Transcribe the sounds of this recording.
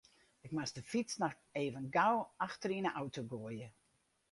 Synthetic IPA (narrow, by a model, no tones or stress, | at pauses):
ɪkmasdəfit͡snɔx | eːvənɡawaxtəɾinəʔawtoɡoəjə